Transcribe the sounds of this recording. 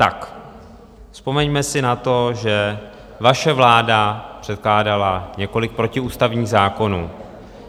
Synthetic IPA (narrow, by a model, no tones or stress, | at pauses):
t̪a̰k | fspo̞mɛɲmɛsɪnat̪o̞ʒɛ | vaʃɛvlaːdapr̝̥ɛt̪̚klaːdalaɲɛko̞lɪk̚pɾo̞cɪuːst̪avɲiːɣzaːko̞nuː